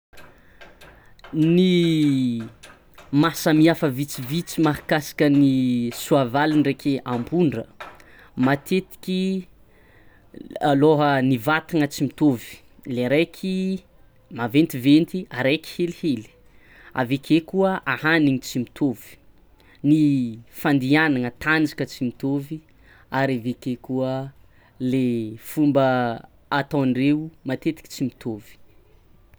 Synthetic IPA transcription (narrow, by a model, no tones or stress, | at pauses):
ni | masəmiafəvit͡sivit͡simaɦi̥kasḁkənisuavalinrekʰeʔambuɳɖ͡ʐə | mat̪ʰet̪i̥kʲi | aloɦənivat̪iŋət͡simit̪ovi̥ | leɾejkʰi | mavent̪ivent̪iaɾejki̥helheli̥ | a̰vekʰekuəʔahaniɲit͡simit̪ʰovi̥ | nifand̪ianaŋət̪and͡ʒḁkət͡simit̪ovi | aɾavekekuə | lefumbə | at̪awnreumat̪et̪i̥ki̥t͡simit̪ʰovi̥